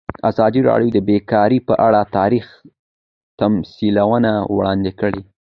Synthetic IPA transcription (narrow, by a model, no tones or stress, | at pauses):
azɑd̪iɾɑ̰ɽjod̪əbekɑɾipəʔaɽat̪ɑɾix | t̪amsilawənawɽɑnd̪ɪkəɽi